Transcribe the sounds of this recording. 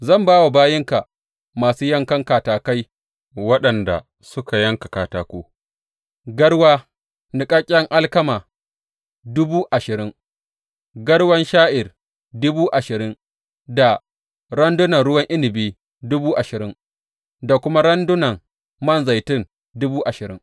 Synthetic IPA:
zɐ˦˨mbaː˦wa˨baː˦jɪ˦ŋka˨ | maː˨suː˦jɐ˦ŋkɐ˦ŋkaː˨taː˨ka˦j | wɐ˦ɗɐ˨nda̰˨ | sʊ˦ka˨jɐ˦ŋka˨kaː˨taː˦kʷoː˦ | ɡɐ˦ɽwaː˦ | nɪ˨kʼaː˦kʲʼɐ˦ŋʔa˦lkɐ˦maː˨ | dʊ˦buː˦ʔa˨ʃɪ˨ɾɪ˦ŋ | ɡɐ˦ɽwɐ˦nʃaː˦ʔɪ˨r | dʊ˦buː˦ʔa˨ʃɪ˨ɾɪ˦ŋ | da˨ | ɾɐ˦ndʊ˦nɐ˨nɽʊ˦wɐ˦ŋʔɪ˦nɪ˨biː˦ | dʊ˦buː˦ʔa˨ʃɪ˨ɾɪ˦ŋ | da˨kʷʊ˦ma˦ɽɐ˦ndʊ˦nɐ˨ŋ | mɐ˦˨nza˨jtɪ˦n | dʊ˦buː˦ʔa˨ʃɪ˨ɾɪ̰˦ŋ

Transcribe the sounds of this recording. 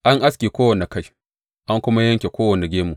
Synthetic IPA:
ʔa˦ŋʔa˦skʲeː˨kʷoː˦wɐ˨ne˨ka˦j | ʔa˦ŋkʷʊ˦ma˦jɐ˦ŋkʲe˨kʷoː˦wɐ˨ne˨ɡʲeː˦mu˨ʔ

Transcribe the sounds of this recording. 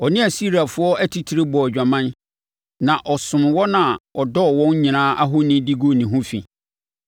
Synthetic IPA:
ɔ˨nɪ̃˦a˨si˦ɾa˨fʊ˦ɔ˦æ˦tʰi˦tʰi˨˦ɾe˦bɔ˨d͡ʑᶣa˨mã˦n | nã˨ʔɔ˨sʊ̃˨mwɔ˦nã˨ɔ˨dɔ˦˨wɔ̃˦n˦ɲĩ˨nãː˦ʔa˦ɦʊ˦nɪ̃˦di˦ɡo˦˨nĩ˨ɦʊ̃˦fḭ̃˨

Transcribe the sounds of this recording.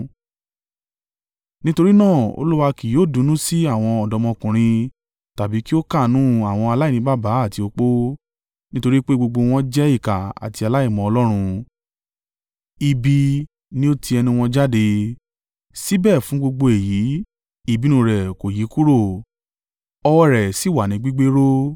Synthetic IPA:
nĩ˦to˧ɾi˦nãː˦˨o̰˧lu˦wa˧ki˨joː˨˦˨dũ˨˦nũ˦si˦a˦˨w̃ɔ̃˧ɔ˨dɔ˨˧mɔ̃˧kũ˨ɾ̃ĩ˧ | ta˨bi˨˦ki˦o˦ka˦˨nũ˦a˨w̃ɔ̃˧a˧la˦i˦˨ĩ˧˦ba˦˨ba˨˦a˦˨ti˧o˧k͡po˦ | nĩ˦to˧ɾi˦k͡pe˦ɡ͡bo˧ɡ͡bo˧w̃ɔ̃˦d͡ʒɛ˦i˦˨ka˨a̰˨ti˧a˧la˦i˦˨mɔ̃˨ɔ˧lɔ˦ɾ̃ũ˧ | i˧bi˧ | nĩ˦o˦ti˧ɛ˧nĩ˧w̃ɔ̃˧d͡ʒa˦de˧ | si˦bɛ˦˨fũ˨˦ɡ͡bo˧ɡ͡bo˧e˨ji˨˦ | i˦˨bi˨˦nũ˨ɾɛ˨ko˨ji˨˦ku˦ɾo˦˨ | ɔ˧wɔ˦ɾɛ˨si˨˦˨wa˨nĩ˨˦ɡ͡bi˦ɡ͡be˦ɾo˦

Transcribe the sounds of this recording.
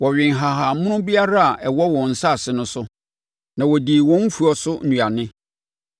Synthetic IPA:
wɔ˨ɥᶣɪ̃˨ŋ˨ɦa˨ɦa˨mʊ̃˦nʊ̃˦bi˦a˦ɾa˦a˨ʔɛ˨wɔ˦wɔ̃˨n̩˨sa˦˨sɪ˨nʊ̃˦sʊ˦ | nã˨wɔ˨di˨wɔ̃˦m̩˦fu˨ɔ˨sʊ˦nũ˨a˨nɪ̃˦

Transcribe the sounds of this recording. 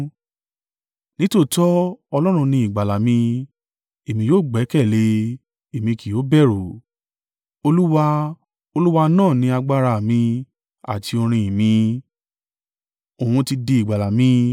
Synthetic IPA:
nĩ˦to˦˨tɔ˦ɔ˧lɔ˦ɾ̃ũ˧nĩ˧˦i˦˨ɡ͡ba˨la˨mĩ˧ | e˨mĩ˧˦joː˦˨ɡ͡bɛ˨˦kɛ˦˨le˧ | e˨mĩ˧ki˨jo˨˦bɛ˦˨ɾo˨ | o˧lu˦wa˧ | o˧lu˦wa˧nãː˦˨nĩ˧˦a˧ɡ͡ba˦ɾa˦˨mĩ˧ | a̰˨tʰi˧o˧ɾ̃ĩ˧i˨mĩ˧ | o˨hũ˧ti˧de˧i˨ɡ͡ba˨la˨mĩ˧˦

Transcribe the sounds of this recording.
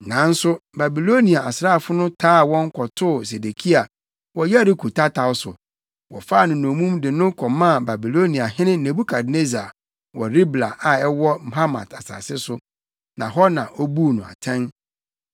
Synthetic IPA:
nã˨˦n̩˦sʊ˦ba˨bi˨lo˦nĩ˨a˨a˨sɾaː˦˨fʊ˦nʊ̃˦tʰaː˦˨wɔ̃˦ŋ̩˦kʷʰɔ˨tʰʊ˦˨s̬e˨de˨kʰi˦a˨ | wɔ˦ja˦ɾɪ˦kʰu˨tʰa˦tʰa˨wʊ˦sʊ̰˨ | wɔ̰˨fa˦˨nʊ̃˨nõ˨mũ˦mdɪ˨nʊ̃˦kʰɔ˨mã˦˨ba˨bi˨lo˦nĩ˨a˨ɦɪ̃˦nɪ̃˦nẽ˨bu˦kʰa˨dne˦za˨ | wɔ˨ɾi˦bla˨ʔa˨ɛ˦wɔ˦m̩˨ɦa˦mã̰˨tʰa˨sa̰ː˨sɪ˦sʊ˦ | nã˨ɦɔ˦nã˨ʔɔ˦bu˦˨nʊ̃˨a̰˨tʰɛ̃˦n

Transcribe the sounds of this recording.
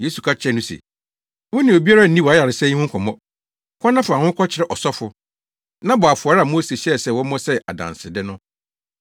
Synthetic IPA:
jeː˦su˨kʰa˦t͡ɕʰɛ˦˨nʊ̃˦sɛ̰˨ | wʊ̃˦nɪ̃˨o˨bi˦a˦ɾa˦n̩˨nĩ˦wɔ˨a˨˦ja˨ɾɪ˨sɛ˦i˦hʊ̃˦kʰɔ˨mɔ̃˦ | kʷʰɔ̃˦nːã˦fʊ˨a˨hʊ̃˦kʰɔ˦t͡ɕʰɪ˦ɾɛ˦˨ʔɔ˨sɔ˦fʊ˨ | nã˦bɔ˨a˨fʊ˨a˨ɾɪ˦a˨mõ˦se˨ɕsɛ˦˨wɔ̃˦mɔ̃˦sɛ˦ʔa̰˨dã̰˨nsɪ˨dɪ˦nʊ̃˦

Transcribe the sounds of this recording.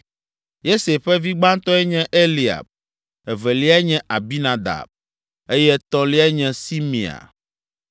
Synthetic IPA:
je˦se˨ɸɛ˦vi˦ɡ͡bã˦n˦t̪ɔ̃˦ɛ˦ɲɛ̃˦ʔe˦li˨a̰˨b̚ | ɛ˨vɛ˨li˦a˦ɲɛ̃˦ʔa˨bi˦nã˨d̪a̰˨b̚ | e˦jɛ˦t̪ɔ̃˦li˦a˦ɲɛ̃˦si˦mḭ̃˨a̰˨

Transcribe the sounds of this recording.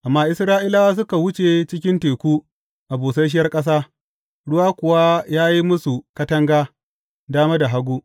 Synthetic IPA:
ʔa˨mːaː˦ʔɪ˦sɾaː˦ʔɪ˦la˦wa˦s̬ʊ˦ka˨wʊ˦t͡ʃe˨t͡ʃɪ˦kʲɪ˦nteː˨kʷuː˦ | ʔa˨boː˨sɐ˦ʃ̬ɪ˦jɐ˦rkʼɐ˦s̬aː˦ | ɽʊ˦waː˦kʷʊ˨wa˦jaː˦ji˦mʊ˦su˨kɐ˦tɐ˦ŋɡaː˦ | daː˦ma˦da˨ɦa˦ɡʷuː˦

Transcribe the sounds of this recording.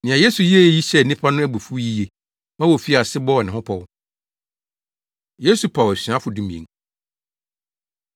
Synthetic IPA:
nɪ̃˨a˨je˦su˨ji˦˨ji˦ɕɛ˦˨nĩ˦pʰa˦nʊ̃˦æ˦bu˨fu˦ji˦je˨ | mã˦wɔ˨fi˦a˨sɪ˦bɔ˦˨nɪ̃˨ɦʊ̃˦pʰɔ˨w | je˦su˨pʰa˨wæ˨si˨a˦fʊ˨dũ˦mḭ̃˨ḛ̃˨ŋ

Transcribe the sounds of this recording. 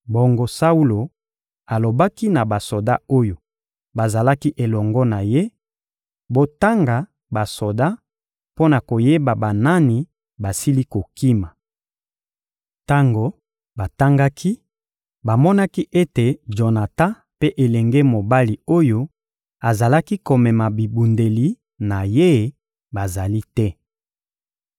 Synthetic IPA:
bo˨ŋɡo˨sa˦u˦lo˨ | a˨lo˨ba˦ki˦na˨ba˨so˨da˦o˦jo˨ | ba˨za˨la˦ki˦ʔe˨lɔ˨ŋɡɔ˦na˨je˦ | bo˦ta˦ŋɡa˨ | ba˨so˨da˦ | po˦na˨ko˨je˦ba˨ba˨na˦ni˨ | ba˨si˦li˦ko˨ki˦ma˨ | ta˦ŋɡo˨ | ba˨ta˦ŋɡa˦kʰi˦ | ba˨mɔ˦na˦ki˦ʔe˦te˨ʒo˨na˨tã˦ | pe˦ʔe˨lɛ˨ŋɡe˦mo˨ba˦li˨o˦jo˦ | a˨za˨la˦ki˦ko˨mɛ˨ma˨bi˨bu˨nde˨li˨ | na˨je˦˨ | ba˨za˨li˦tɛ˦

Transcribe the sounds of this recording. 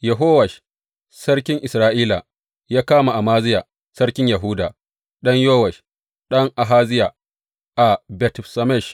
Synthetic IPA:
jɐ˨ɦoː˦wɐ˨ʃ | sɐ˦rkʲɪ˦ŋʔɪ˨sɾaː˦ʔiː˦la˨ | jaː˦kaː˦ma˨ʔa˨maː˦zɪ˦ja˨ | sɐ˦rkʲɪ˦ɲja˨ɦuː˦da̰ː˨ | ɗɐ˦ɲjoː˦wɐ˨ʃ | ɗɐ˦ŋʔa˨ɦaː˦zɪ˦ja˨ | ʔa˨bɛ˨tsɐ˨mɛ˦˨ʃ

